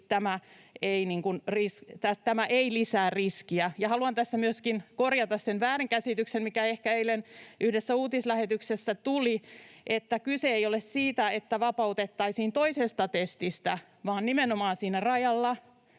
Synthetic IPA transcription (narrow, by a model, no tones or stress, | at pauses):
t̪æmæeiniŋkunrist̪æst̪æmæʔeilisæːrriskiæjɑhɑluɑnt̪æsːæmyøskinkorjɑt̪ɑssenʋæːriŋkæsit̪yksenmikæehkæeilenʔyhdesːæuːt̪islæhet̪yksesːæt̪uliʔet̪ːækyseejolessiːt̪æet̪ːæʋɑpɑut̪et̪ːɑisiːnt̪oisest̪ɑt̪est̪ist̪æ | ʋɑːnnimenomɑːnsiːnærɑjɑlːɑ